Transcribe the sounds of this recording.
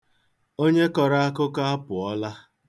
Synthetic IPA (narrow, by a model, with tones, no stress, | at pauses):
o˦ɲe˦kɔ˨ɾa˦a˦kʊ˦ka˦a˦pʊ˨ɔ˦la˦